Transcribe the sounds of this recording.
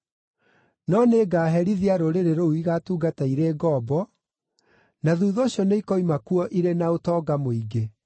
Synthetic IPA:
nɔneɡaːɦɛɾiðiaɾoɾeɾeɾouiɣatuːɡataiɾeːɡɔbɔ | naðuːðoːɕjɔneikɔimakuɔʔiɾenaotɔːɡamoiɡe

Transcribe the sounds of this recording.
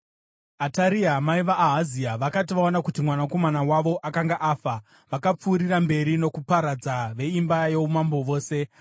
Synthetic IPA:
ataɾiamaiʋaʔːɦaziaʋakatiʋaonakutimwanako̞manawaʋo̞ʔakaŋɡaʔaːfa | ʋakap͡fuːɾirambe̞ɾino̞kupaɾad͡zaʋe̞imbajeumambo̞ʋo̞ːse̞

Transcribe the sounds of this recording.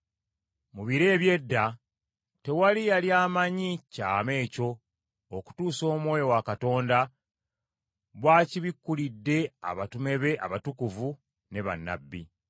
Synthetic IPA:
muβiɾe̞ːβje̞dːa | te̞walijaljaːmaɲica̰ːme̞ːco̞ː | ku̥tuːso̞ːmwo̞ːjo̞wakato̞ːnda | βwaːciβikːulidːe̞a̰βatume̞βe̞ʔa̰βatukuvu | ne̞βa̰nːa̰bːḭ

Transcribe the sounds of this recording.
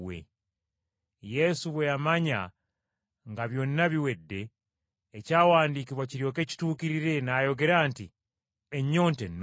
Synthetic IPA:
wḛ | je̞suβwe̞jamaɲa̰ | ŋɡaβjo̞nːaβiwe̞dːe̞ː | caːwaːndiːkiβwaciɾjo̞ke̞ːci̥tuːkiɾiɾe̞najo̞ɡe̞ɾaːnti | eɲːo̞ːntenː

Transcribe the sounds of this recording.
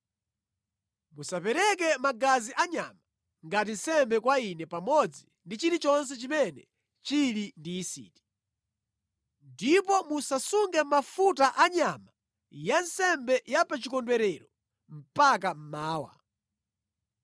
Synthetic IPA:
musapɛɾɛk̬ɛmaɡaziʔaɲama | ŋɡat̬insɛmbɛkwainɛpamɔd͡zi | ndit͡ʃiɾit͡ʃɔns̬ɛt͡ʃimɛnɛ̰ | t͡ʃilindiːsḭːti̥ | ndip̬ɔmusasuŋɡɛm̩mafutaʔaɲama | jansɛmbɛjapat͡ʃikɔndwɛɾɛɾɔ | m̩pakam̩maːwa̰

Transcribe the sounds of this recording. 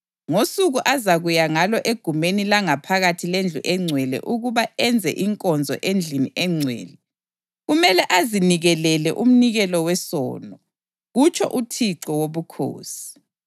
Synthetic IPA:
ŋosuɣuʔazaɣujaŋalɔʔeɡ̥ʱumenilaŋapʰaɣatʰilend͡ɮʱuʔɛŋ͡ǀʱwɛlɛ̰ʔuɣuβaɛnd͡zʱɛ̰ʔiŋkʼɔnd͡zʱɔ̰ʔend͡ɮʱiniʔɛŋ͡ǀʱwɛ̰ːlɛ | ɣumɛlɛʔaziniɣɛlɛlɛʔum̩niɣɛlɔwɛsɔ̰ːnɔ | ɣut͡ʃʰɔ̰ʔutʰiǀɔwoβukʰo̰ːsi̥

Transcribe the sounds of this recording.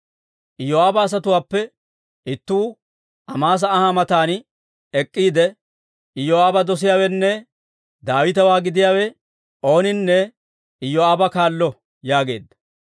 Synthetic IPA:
ʔɪjɔaːbɐːs̬ɐt̪ʊwaːpːɛ | ɪt̪ːuː | ʔɐmaːs̬ɐːhamɐt̪aːn | ɛkʼːiːd̪ɛ | ɪjoaːbɐd̪ɔs̬ɪjaːwɛnːɛ | d̪aːwɪt̪ɐwaːɡɪd̪ɪjaːwɛ | o̞ːnɪnːɛ | ɪjɔaːbɐkaːlːɔ | jaːɡe̞̰ːd̪ːɐ̥

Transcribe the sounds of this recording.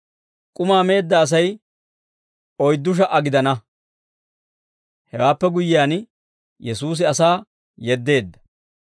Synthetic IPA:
kʼʊmaːme̞ːd̪ːɐːs̬ɐj | ɔjd̪ːʊʃ̬ɐʔɐɡɪd̪ɐnɐ | hɛwaːpːɛɡʊjɪaːn | jɛsuːs̬ɪɐsaː | jɛd̪ːe̞ːd̪ːɐ̥

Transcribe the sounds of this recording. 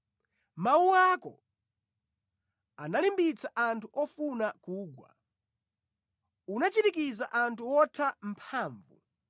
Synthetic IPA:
mawuakɔ̰ | analimbit͡saʔantʰuʔɔfunakuːɡwa̰ | unat͡ʃitik̬izaʔantʰuwɔtʰam̩pʰaːɱvṵ

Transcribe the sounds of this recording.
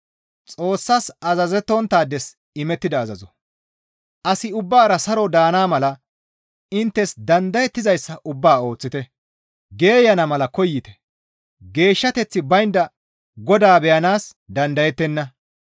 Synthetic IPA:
t͡sʼo̞ːsːasɐzɐzɛt̪ːɔnt̪aːd̪ɛs | ɪmɛt̪ːɪd̪ɐːzɐzɔ | ʔɐsɪʊbːaːɾɐsɐɾɔd̪aːnaːmɐlɐ | ɪnt̪ːɛsd̪ɐnd̪ɐjɛt̪ːɪzɐjsːɐʔʊbːaːo̞ːt͡sːɪt̪ɛ | ɡe̞ːjɐnɐmɐlɐkɔjːɪt̪ɛ̥ | ɡe̞ːʃːɐt̪ɛt͡sːɪbɐjnd̪ɐ | ɡɔd̪aːbɛjɐnaːs | d̪ɐnd̪ɐjɛt̪ːɛnːɐ

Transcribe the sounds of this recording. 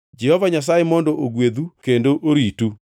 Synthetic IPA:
d͡ʒɛhɔvaɲas̬ajemɔndoʔoɡweðukendoʔoɾitu

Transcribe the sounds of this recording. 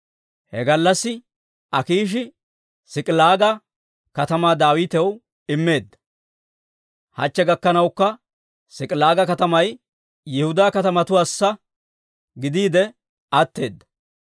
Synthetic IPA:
hɛ̰ɡɐlːɐsːɪ | ɐkiːʃ̬ɪ | sɪkʼlaːɡɐ | kɐt̪ɐmaːd̪aːwiːt̪ɛw | ɪmːe̞ːd̪ːɐ̥ | hɐ̰t͡ʃːɛɡɐkːɐnɐwkːɐ | sɪkʼɪlaːɡɐkɐt̪ɐmɐj | jɪhʊd̪aːkɐt̪ɐmɐt̪ʊwaːsːɐ | ɡɪd̪iːd̪ɛ | ɐt̪ːe̞ːd̪ːɐ̥

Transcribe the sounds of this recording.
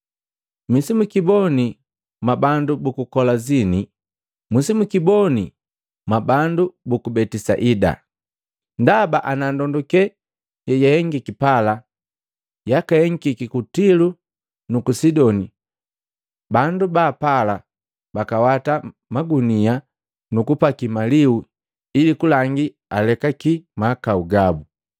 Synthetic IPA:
misimukibɔni | mabandubukukɔlazini | musimukibɔni | mabandubukubɛtisa̰ʔida̰ | ndabaʔanandɔndɔkɛ | jɛjahɛŋɡikipala | jakahɛŋkikikutilu | nukusidɔni | bandubaːpala | bakawatamaɡunia | nukupakimaliu | ilikulaŋɡi | alɛkakimakauɡabu

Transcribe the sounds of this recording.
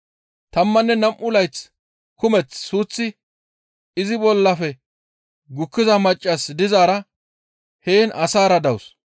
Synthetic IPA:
t̪ɐmːɐnːɛnɐmʔʊlɐjt͡s | kʊmɛt͡sːuːt͡sːɪ | ɪzɪbɔlːɐfɛ | ɡʊkːɪzɐmɐt͡ʃʼːɐsd̪ɪzaːɾɐ | heːnʔɐsaːɾɐd̪ɐws

